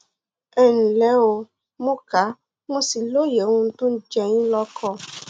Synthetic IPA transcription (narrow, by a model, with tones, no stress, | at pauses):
ɛ˨nĩ˨lɛ˨˦o˧ | mũ˦ka˨˦ | mũ˦si˨lo˦je˨˦ũ˦n̩˦tũ˦n̩˦d͡ʒɛ˧ɲĩ˦lɔ˦˧kʰɔ˦˨